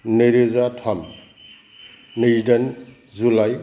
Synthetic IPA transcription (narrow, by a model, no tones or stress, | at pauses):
neɾezatʰam | nidan | zulaj